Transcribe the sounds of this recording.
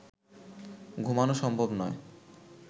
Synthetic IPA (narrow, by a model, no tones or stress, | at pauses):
ɡʱumanoʃɔmbʱobnɔe